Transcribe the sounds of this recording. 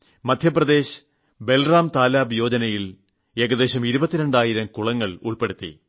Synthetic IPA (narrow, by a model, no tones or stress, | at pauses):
mɐd̪ʱjɐprɐd̪e̞ːɕ | be̞lraːmt̪aːlaːbjo̞ːd͡ʑɐnɐjil | eɡɐd̪e̞ːɕɐmiɾubɐt̪ːiɾe̞ɳɖaːjiɾɐmkuɭɐŋːɐɭṵɭpe̞ɽut̪ːḭ